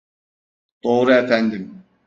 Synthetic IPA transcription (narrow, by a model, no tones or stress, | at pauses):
d̪̥oːɾɯefænd̪im